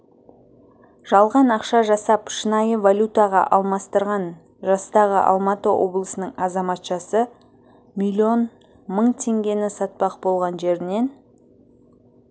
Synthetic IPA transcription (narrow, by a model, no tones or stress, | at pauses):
ʒ̥ɑlˠʁɑnɑqʃɑʒɑsɑpʃənɑjəvalʲut̪ɑʁɑ̰ʔɑlˠmɑst̪əɾʁɑn | ʒɑst̪ɑʁəʔɑ̰lˠmɑt̪əwʔo̞̰blˠəsənəɴɑzɑmɑt̪ʃɑsə | milʲio̞n | məɴt̪ʲʰe̞ŋɡʲe̞nɪsɑt̪̚pɑqbo̞lˠʁɑnʒe̞ɾɪne̞n